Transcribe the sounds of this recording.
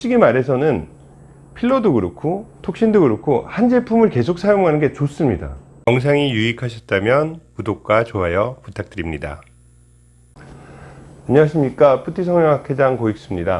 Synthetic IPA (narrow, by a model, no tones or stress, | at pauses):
t͡ɕ͈iɡimaɾe̞sʰʌnɯn | pʰiɭːoduɡɯɾokʰotʰok̚ɕ͈induɡɯɾokʰohand͡ʑe̞pʰumɯɭke̞sʰok̚s͈ʰajoŋɦanɯnɡe̞t͡ɕos͈ɯmɲida̰ | jʌŋs̬ʰaŋijuikʰaɕʰʌt̚t͈amjʌnpudok̚k͈wat͡ɕoɦajʌputʰak̚t͈ɯɾimɲida̰ | aɲʌŋaɕʰimɲik͈apʰutʰis̬ʰʌŋɲʌŋakʰed͡ʑaŋkoik̚s͈ɯmɲida